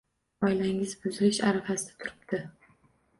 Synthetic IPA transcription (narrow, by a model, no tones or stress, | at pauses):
ɒjlaŋɪzbʊzɪlɪʃaɾafasɪd̪ḁt̪ʰʊɾɪp̚t̪ɪ